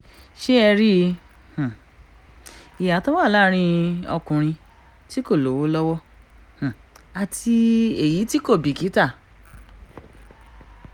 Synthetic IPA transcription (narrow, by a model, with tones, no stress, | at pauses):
ʃe˦ɛ˧ɾi˦ | h̩˨ | i˨ja˨tɔ˦wa˦˨la˦ɾ̃ĩ˧ɔ̰˧kũ˨ɾ̃ĩ˧ | ti˦ko˦˨lo˨˦wo˦lɔ˦wɔ˦ | h̩˨a˨tʰi˧e˨ji˨˦ti˦ko˦˨bi˨ki˨˦ta˦˨